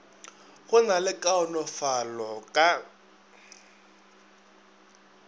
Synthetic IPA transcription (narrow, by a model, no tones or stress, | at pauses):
ɣʊnalɪkʼaʊnɔfalɔkʼa